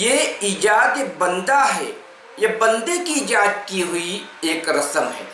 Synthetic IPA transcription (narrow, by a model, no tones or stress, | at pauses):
jeiːd͡ʒaːd̪ebɐ̃nd̪aɦɛ̰ː | jebɐ̃nd̪ekiːd͡ʒaːd̪̚kiɦʊieːkɾɐsəmɦɛ̰ː